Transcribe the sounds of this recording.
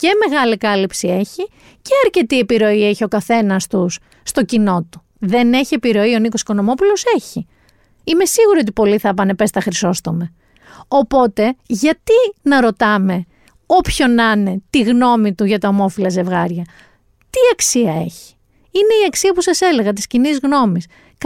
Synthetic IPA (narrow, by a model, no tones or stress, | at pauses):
ce̞me̞ɣɐlikɐlipsie̞çi | ceɐɾce̞t̪ie̞piɾo̞ie̞çio̞kɐθe̞nɐst̪usː | t̪o̞cino̞t̪u̥ | ðe̞ne̞çie̞piɾo̞io̞niko̞si̥ko̞no̞mo̞pulo̞se̞çi | ime̞siɣuɾio̞t̪̬ipo̞liθɐp̬ɐne̞pe̞st̪ɐxɾiso̞st̪o̞me | o̞po̞t̪e̞ʝɐt̪inɐɾo̞t̪ɐme̞ | o̞pço̞nɐne̞t̪iɣno̞mit̪uʝɐt̪oomo̞filɐzevɣɐɾʝɐ | t̪iɐksiɐe̞̰çi̥ | ine̞iɐksiɐpusɐse̞le̞ɣɐt̪iscinizɣno̞mis